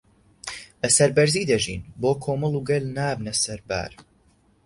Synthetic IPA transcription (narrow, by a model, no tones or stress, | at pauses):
ɐsɐɾbɛɾziːd̪ɐʒḭːnboːkʰoːmɨlˠuɡɛlnaːbnɐsɐɾba̰ːɾ